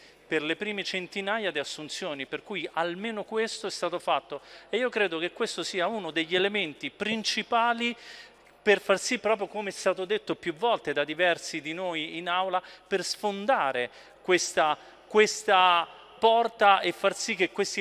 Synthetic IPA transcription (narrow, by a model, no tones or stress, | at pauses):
perlepɾiːmet͡ʃent̪inaːjad̪iasːunt̪sjoːniperkuːjalmeːnokwest̪oɛst̪aːt̪ofat̪ːoeiːokɾeːd̪ok̟ekːwest̪osiːaunod̪eʎːelement̪ipɾint͡ʃipaːli | perfarsipːɾɔːp̬ɾjokomeɛst̪aːt̪od̪et̪ːopjuvːɔlt̪ed̪ad̪ivɛrsid̪inoːjinawlapersfond̪aːɾe | kwest̪a | kwest̪a | pɔrt̪aefːarsikːekːwest̪i